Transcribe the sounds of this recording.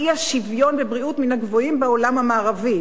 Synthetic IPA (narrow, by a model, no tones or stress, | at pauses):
iaʃivjo̞nbebʁiut̪minaɡvoimbeo̞lamhamaːʁavi